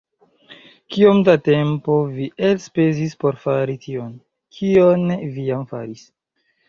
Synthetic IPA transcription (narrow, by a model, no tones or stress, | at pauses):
kio̞mdate̞mpo̞viʔelspe̞zispo̞ɾfaɾitʰio̞n | kʰionvijamfa̰ɾis